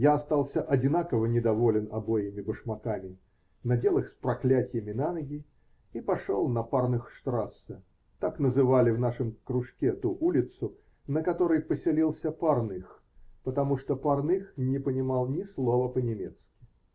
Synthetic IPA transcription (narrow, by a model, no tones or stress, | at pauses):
jaɐst̪alˠsʲəʔɐdʲɪnakəvənʲɪd̪ɐvo̞lʲɪnɐbojɪmʲɪbəʂmɐkamʲɪ | nɐdʲe̞lˠɨxspɾɐklʲætʲɪjɪmʲɪnanəɡʲɪ | ipɐʂolˠnɐparnɨxʂt̪ɾasːə | t̪aknəzɨvalʲɪvnaʂɨmkɾʊʂkʲet̪uʔulʲɪt̪sʊ | nəkɐt̪oɾəjpəsʲɪlʲilˠsʲəparnɨx | pət̪ɐmuʂt̪opɐrnɨxnʲɪpənʲɪmalˠnʲɪslˠovəpənʲɪmʲet̪skʲɪ̥